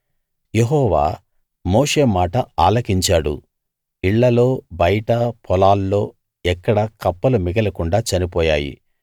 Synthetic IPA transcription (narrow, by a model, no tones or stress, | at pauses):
jeɦɔːʋa̰ː | moːʂe̞ːmaːʈɐaːlɐkiɲt͡ʃaːɽṵ | iɭːɐlo̞ːbɐjɐʈɐpʰɔlaːlːo̞ː | ɛkːɐɽɐkɐpːɐlumiɡɐlɐkuɳɖaːt͡ʃɐnipɔːjaːjḭ